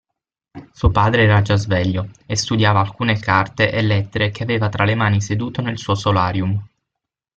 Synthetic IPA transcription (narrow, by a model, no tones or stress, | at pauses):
suːopaːd̪ɾeɛːɾad͡ʒazvɛʎːoest̪ud̪jaːvaːlkuːnekart̪eʔelːɛt̪ːeɾek̟eaveːvat̪ɾalemaːnised̪uːt̪onelsuːosolaːɾjum